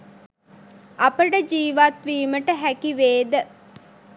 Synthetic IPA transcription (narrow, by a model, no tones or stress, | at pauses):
ɐpəɖəd͡ʒiːʋat̪ʋiːməʈəɦækiʋeːd̪ə